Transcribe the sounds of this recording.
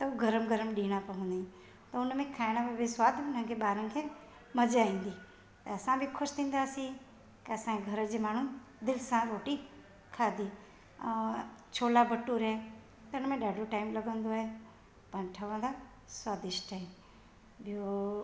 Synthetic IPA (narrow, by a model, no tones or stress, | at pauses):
t̪ɐuɡʱɐɾəmɡʱəɾəmɗiːɽ̃apɐɦũnd̪ĩ | t̪ɐʊnmẽkʰaːɪɽ̃ãpebɪswaːd̪ʱʊnənkʰeɓaːɾə̃nkʰe | mɐd͡ʒaːĩːnd̪i | t̪ɐɐsãbʱikʰʊʃt̪ʰĩːnd̪asĩ | keɐsãeɡʱɐɾəd͡ʒemaːɳ̤ũnd̪ɪlsãɾoːʈi | kʰaːd̪i | t͡ʃʰoːlabəʈːuɾe | t̪ɐʊnmẽɗaːɖoʈaːɪimlɐɡə̃nd̪oɦe | pɐ̃nʈʰəʋãd̪a | swaːd̪ɪʃʈaim | bʱio